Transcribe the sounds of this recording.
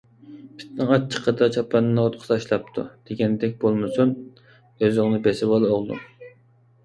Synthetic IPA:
pʰi̥t̪nɨŋɑt͡ʃʰːə̥qʰəd̪ɑt͡ʃʰɑpʰːɑnːɨnɑot̪̚qʰʊ̥sɑːʃlˠɑp̚t̪ʰṵd̪̥eɡʲɛnd̪ɛk̚ʲbolˠmɨsun | øzɪŋnɨbesɪbɑlˠoʁlˠṵ

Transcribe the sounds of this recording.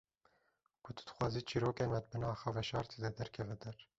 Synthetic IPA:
kʰʊt̪ʰɨ̥d̪̥ɨ̥xwɑːziːt͡ʃʰiːɾoːkeːnmɛt̪̚bɨnɑːxɑvɛʃɑːɾt̪ʰed̪ɛd̪ɛɾkʰɛvɛd̪ɛɾ

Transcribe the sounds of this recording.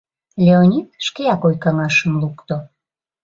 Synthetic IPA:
lʲeonʲit̪̚ʃkejɑkojkɑŋɑʃəmlukt̪o

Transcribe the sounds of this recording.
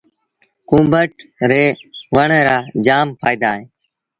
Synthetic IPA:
kũːmbəʈɾeːʋəɳːɾaːd͡ʒaːmpʰa̰ːid̪aːɦẽː

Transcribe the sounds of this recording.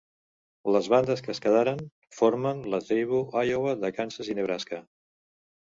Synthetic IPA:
ləzβand̪əskəskəðaɾən | foɾmənlət̪ejβuʔajoβəðəkansəzineβɾaskə

